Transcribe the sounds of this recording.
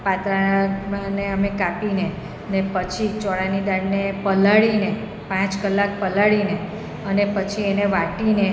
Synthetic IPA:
pat̪ɾaaneəmekapine | ənepət͡ʃʰit͡ʃɔɭanid̪aɽnepəlaɭine | pãt͡ʃkəlːak̚pəlaɭine | ənepət͡ʃʰieneʋaʈine

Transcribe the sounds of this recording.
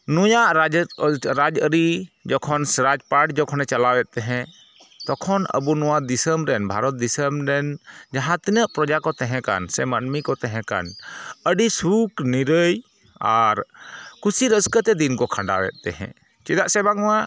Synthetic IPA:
nujaʔɾad͡ʒɾad͡ʒəɾid͡ʒɔkʰɔnsɾad͡ʒpaʈd͡ʒɔkʰɔnɛt͡ʃalawɛt̪̚ːɛɦɛ̃ | t̪ɔkʰɔnə̰bunɔwad̪isəmɾɛnbʱaɾɔt̪̚d̪isəmɾɛnd͡ʒaɦãt̪inəʔpɾɔd͡ʒakɔt̪ɛɦɛ̃ka̰nsɛmənmikɔt̪ɛɦɛ̃ka̰nəɖisukniɾəj | aɾkusiɾəskət̪ɛd̪inkɔkʰãɳɖa̰wɛ̰t̪̚ˀt̪ɛɦɛ̰̃ | t͡ʃɛd̪aʔsɛbaŋɔwa

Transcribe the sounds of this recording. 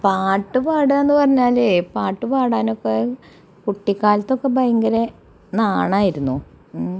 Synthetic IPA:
paːʈːɨpaːɽɐenːɨpɐrɐɲːaːleːpaːʈːɨpaːɽaːno̞kːe | kuʈːikːaːlɐt̪ːo̞kːebɐjɐŋɡɐɾe | naːɳaːjiɾunːu

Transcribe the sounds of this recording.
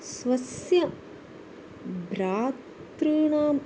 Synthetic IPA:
sʋɐsjɐ | bʱɾaːt̪ɾɨːɳaːm

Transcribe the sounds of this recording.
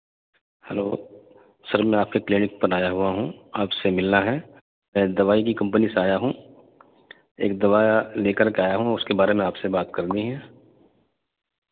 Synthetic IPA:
hɛlo̰ː | sɐɾmɛ̃aːp̚keklɪnɪk̚pəɾaːjaɦʊaɦũaːpsemɪlnaɦɛ | mɛ̃d̪ɐʋaːik̬ikɐ̃mpniseaːjaɦũ | ḛːk̚d̪ɐʋaːjleːkəɾkeaːjaɦũɔʊskebaːɾemẽaːpsebaːt̪kɐɾd̪iɦɛ̃ː

